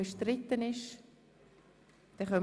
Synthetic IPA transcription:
əʃtɾɪt̪ːənɪʃ | d̥ɛχœm

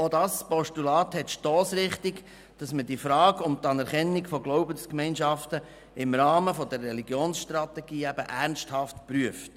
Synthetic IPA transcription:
odɑspɔʃtulɑːt̪hɛtʃtɔːsɾɪχtɪɡ | d̥ɑsməd̥ifɾɑːɡʊmt̪ɑnɛɾχɛnːiɡfɔɡlɔʊbənskmɛɪnʃɑftə | ɪmɾɑːməfɔdərːɛliɡjoːnsʃtɾɑtɛɡ̥iːæb̥əʔæɾnsthɑftpɾyəft

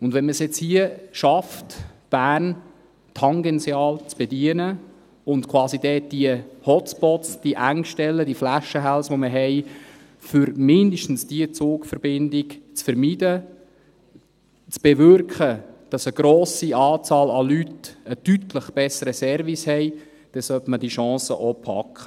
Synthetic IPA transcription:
ʊndʋɛnməsjɛt͡shiəʃɑftb̥æːrn | tʰhɑŋɡɛnsjɑːlt͡sb̥ɛdiənə | ʊntkʰwɑːsid̥ɛːd̥iəhɔt͡spɔtsd̥iəʔæŋʃtɛlːədiəflæʃəɦælsʋoməɦɛɪ | fʏɾmɪndəʃtn̩sd̥iət͡soːkfəɾb̥ɪndɪkt͡sfəɾmidə | t͡sb̥ɛʋʏɾkχəd̥ɑsəɡ̥ɾoːsiɑːt͡sɑːlɑlytəd̥ytləχb̥ɛsəɾəsɛɾvishɛɪ | d̥ɛsœpmədiʃɑ̃ːsə̰ʔopʰɑ̰kχə̥

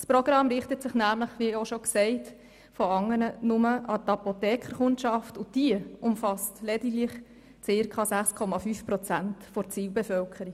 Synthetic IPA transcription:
spɾɔɡɾɑmɾɪχtətsɪχnæːmləχʋioʃɔksɛɪt | fɔɑŋːənənʊməʔɑtɑpotɛːkχəχʊntʃɑftʊd̥iəʊmfɑstlɛdiɡlɪχ | t͡sɪɾkʰɑsæχskʰɔmɑfyfpɾɔt͡sæntfɔɾt͡siːwbɛfœlkʰəɾi

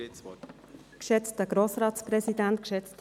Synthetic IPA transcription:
kʃɛt͡stəɡ̥ɾoːsɾɑːtt͡spɾɛsidæntkʃɛt͡st

